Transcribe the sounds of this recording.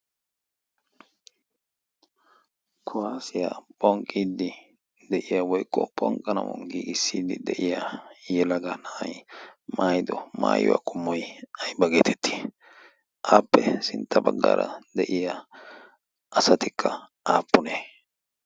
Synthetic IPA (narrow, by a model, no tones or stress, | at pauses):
kʰʊwaːsɪjapʼɔŋkʼːiːd̪ɪ | d̪ɛʔɪjawɔjkʼːɔpʼɔŋkʼɐnɐwɔ̰ŋɡiɡɪsːiːd̪ɪd̪ɛʔɪjajɛlɐɡɐnajmaːjd̪ɔma̰ːjʊ̰wa̰ːkʼʊmːɔjɐjbɐɡeːt̪ʰɛt̪ːi̥ | ʔaːpːɛsɪnt̪ʰːɐbɐɡːa̰ːɾɐ̰d̪ɛʔɪja | ʔɐsɐt̪ɪkʰːɐ | ʔaːpːʊneː